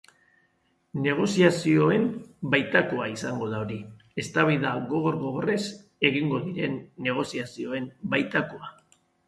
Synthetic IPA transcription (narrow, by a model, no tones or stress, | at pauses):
ne̞ɣ̞o̞siasio̞e̞mbajt̪ako̞aisaŋɡo̞ðaoɾi | e̞st̪aβajðaɣo̞ɣ̞o̞ɾɣo̞ɣ̞o̞re̞s | e̞ɣ̞iŋɡo̞ðiɾe̞nːe̞ɣ̞o̞siasio̞e̞mbajt̪akoa